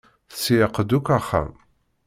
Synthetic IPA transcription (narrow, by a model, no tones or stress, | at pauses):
θsijəqːəd̪ukʷæχæ̰m